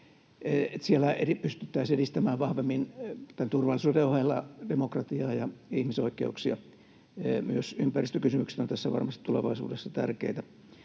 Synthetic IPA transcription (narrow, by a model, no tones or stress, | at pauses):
eet̪sielæeipyst̪yt̪ːæisedist̪æmæːʋʋɑhʋemːint̪ænt̪urʋɑlːˑisuːdeohelːɑd̥emokrɑt̪iɑːjɑihmisoikːˑḛuksiɑ̰ | myøsympærist̪økysymykse̥t̪ont̪æsːæʋɑ̰rmɑst̪i̥t̪t̪uleʋɑ̰isṵːdesːɑt̪æ̰rkḛit̪æ